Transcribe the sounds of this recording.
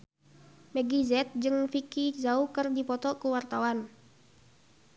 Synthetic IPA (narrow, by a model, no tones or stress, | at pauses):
mɛɡizɛt̪̚d͡ʒɨŋfikizaukərdipɔt̪ɔkuwart̪awan